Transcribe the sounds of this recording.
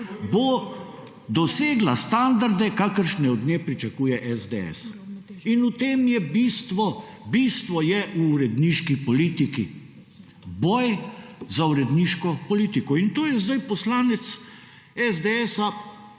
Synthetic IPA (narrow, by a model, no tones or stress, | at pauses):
bo | d̪ɔseːɡlast̪and̪aɾd̪ɛkakəɾʃnɛɔd̪neːpɾit͡ʃɐkuːjɛʔɛzd̪eɛ̰s | inut̪eːmjɛbiːst̪ʋɔ | biːst̪ʋɔjɛʔuːɾɛd̪niːʃkipɔliːt̪iki | bɔjzauɾɛd̪niʃkɔpɔliːt̪ikɔint̪oːjɛzd̪ajpɔslaːnɛt̪s | ɛzd̪eɛsa